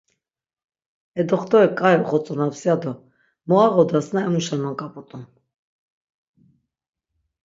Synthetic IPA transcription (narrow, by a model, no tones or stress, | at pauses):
ɛd̪ɔχt̪ɔɛkʼajɔχɔt͡sʼɔnapsiad̪ɔ | mɔaʁɔd̪asnaɛmuʃanɔnkʼapʼɔt̪ʼun